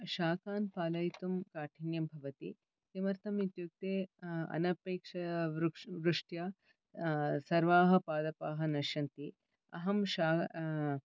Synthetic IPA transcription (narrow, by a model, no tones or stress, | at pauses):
ʃaːkaːnpaːlɐjt̪umkaːʈʰinjɐmbʱɐʋɐt̪i | simɐɾt̪ʰɐmit̪juk̚t̪eːɐ̰nɐpeːkʂɐ | ʋɾuʂʈja | sɐɾʋaːɦɐ̆paːd̪ɐpaːɦɐnɐʃɐnt̪i | ɐ̰ɦɐmʃaː